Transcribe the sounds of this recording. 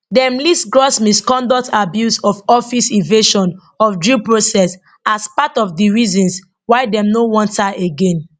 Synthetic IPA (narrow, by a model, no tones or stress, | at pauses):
dɛ̃mlisɡɹɔsmiskɔ̃ndɔk̚tʰabjusɔfɔfisiveʃɔ̃n | ɔfdɹipɹosɛs | aspatɔfdiɹizɔ̃ns | waɪdɛ̃mnowɔ̃ntaʔeɡẽn